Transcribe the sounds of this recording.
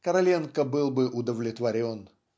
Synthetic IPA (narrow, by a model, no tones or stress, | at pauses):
kəɾɐlʲenkəbɨlˠbɨʔʊd̪əvlʲɪt̪vɐɾʲo̞n